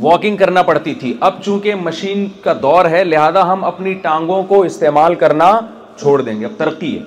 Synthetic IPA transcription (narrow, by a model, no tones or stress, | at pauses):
ʋɔːkɪ̃ŋɡ̚kɐɾnapɐɽt̪it̪ʰiʔɐb̚t͡ʃũːkemɐʃiːnkad̪ɔːɾɦɛlɪɦaːzaɦɐmɐpniʈãːŋɡõkoɪst̪eːmaːlkɐɾna | t͡ʃʰoːɽd̪ẽːŋɡeɐb̚t̪ɐɾəqːiɦɛ̰